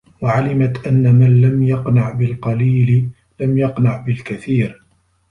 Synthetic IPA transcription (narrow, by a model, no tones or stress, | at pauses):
waʕalɪmat̪ʔanːamanlamjɑqnaʕbɪlqɑliːlɪ | lamjɑqnaʕbɪlkaθiːɾ